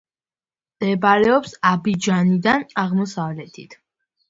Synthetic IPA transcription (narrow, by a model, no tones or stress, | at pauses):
md̪̥ɛbaɾɛɔpsabid͡ʒanid̪anaʁmɔsavlɛt̪ʰḭt̪ʰ